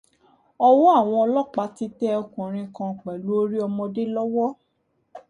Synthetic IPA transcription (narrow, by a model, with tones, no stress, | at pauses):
ɔ˦wɔ˦a˦˨w̃ɔ̃˧ɔ˧lɔ˦k͡pa˨˦ti˦tɛ˦ɔ˧kũ˨ɾ̃ĩ˧kã˧˨k͡pɛ˨lu˨˦o˦ɾi˦ɔ˧mɔ̃˧de˦lɔ˦wɔ˦